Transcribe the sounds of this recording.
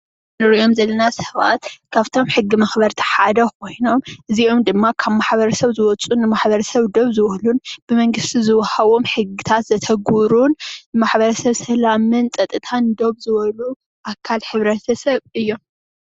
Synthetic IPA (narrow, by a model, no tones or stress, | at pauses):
nɨɾijo̞mzɐlːɐnasɐ̥βa̰t̪kʰaβt̪ʰo̞mħɨɡːimɐxbɐɾt̪ʰi̥ħad̪ɐko̞jno̞mʔɨzio̞md̪ɨmːakʰaβmaħβɐɾɐsɐβzɨwɔt͡sʼunːɨmaħbɐɾɐsɐβd̪o̞βzɨwɔhlunb̥ɨmɐŋɡɨst̪ʰizɨwɐhaβo̞mħɨɡːit̪ʰat̪zɐt̪ʰɐɡuɾunːɨmaħbɐɾɐsɐβsɐlamɨnt͡sʼɐt̪ʼɨt̪ʰand̪o̞βzɨβɐlu | ʔakʰːalħɨβɾɐt̪ʰɐsɐβɨjːom